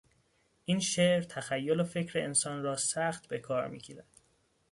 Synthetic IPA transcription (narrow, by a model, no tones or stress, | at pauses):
ʔiːnʃeːʔɾt̪ʰæxæjːo̞lofe̞cʰɾeensɒːnrɒːsæxt̪be̞kʰɒːɾmḭːcʰiːɾæd̪̥